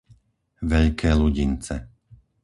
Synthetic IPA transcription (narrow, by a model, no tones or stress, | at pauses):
ʋɛʎkʰɛːluɟint͡sɛ̰